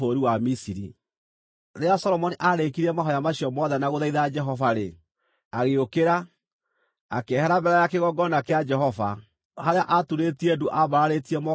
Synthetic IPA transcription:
oɾiwamisiɾi | ɾeasɔɾɔmɔniʔaɾekiɾiɛmaɦɔjamaɕiɔmɔðɛnaɣoðaiðad͡ʒɛɦɔvaɾe | aɣeokeɾa | akɛhɛɾabɛɾɛjakeɣɔɡɔnakead͡ʒɛɦɔva | haɾeaʔatuɾetiedoʔaβaɾaɾetiɛmɔ

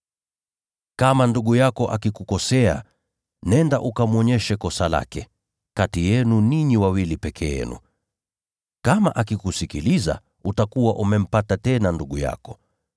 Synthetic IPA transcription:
kamanduɠujakɔʔakikukɔsɛa̰ | nɛndaʔukamwɔɲɛʃɛkɔsala̰kɛ | katijɛnuniɲiwawilipɛkʰɛ̰ɛ̰nṵ | kama̰ʔakikusikiliza̰ | utakuwaʔumɛm̩patatɛnanduɠuja̰kɔ̥

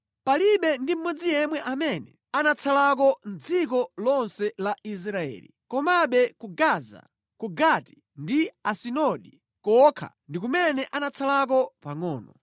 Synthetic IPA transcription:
paliɓɛndim̩mɔd͡zijɛmwɛʔamɛnɛ | anat͡sʰalak̬ɔn̩d͡zikɔlɔnsɛlais̬ɾaɛ̰ːlḭkɔmaɓɛkuɡaza̰ | kuɡati̥ | ndiasinɔɗi | kɔkʰa̰ | ndik̬umɛnɛʔanat͡sʰalak̬ɔpaŋɔːnɔ

